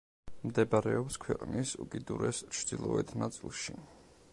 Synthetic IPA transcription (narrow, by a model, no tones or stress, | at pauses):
md̪ɛbaɾɛɔpskʰwɛqʼnisukʼid̪uɾɛst͡ʃʰd̪̥ilˠɔɛt̪ʰnat̪sʼilˠʃi